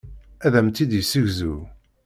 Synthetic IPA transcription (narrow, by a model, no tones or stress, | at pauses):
æðæmt̪ːid̪jəsːəʝzu